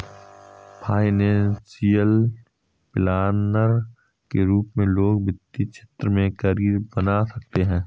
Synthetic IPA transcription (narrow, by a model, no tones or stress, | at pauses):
pʰaːɪnɛ̃ːnsijəl | plaːnəɾ | keɾuːpmẽloːɡ̚bɪt̪ːit͡ʃʰet̪ɾəmẽkəɾiːɾbənasɐk̚t̪eɦɛ̃ː